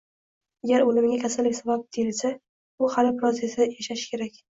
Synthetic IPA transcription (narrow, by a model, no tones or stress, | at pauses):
aɡʲaɾolɪmɪɡʲakʲʰasalːɪkʲsabab̚d̪̥ejɪlsa | ʊhalɪbɪɾɒzesɪjaʃaʃɪ̥kʲʰe̞ɾakʲ